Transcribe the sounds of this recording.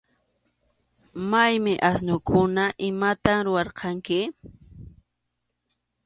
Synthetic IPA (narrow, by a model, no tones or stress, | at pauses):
majmɪʔasnʊkʊnaʔɪmat̪amɾʊwɑɾqʰɑŋkɪ